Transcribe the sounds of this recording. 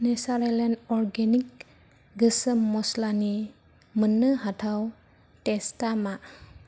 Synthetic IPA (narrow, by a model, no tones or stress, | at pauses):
nesaɾelenɔɾɡenik | ɡɯsəmːɔslani | mənːɯɦatʰaw | testama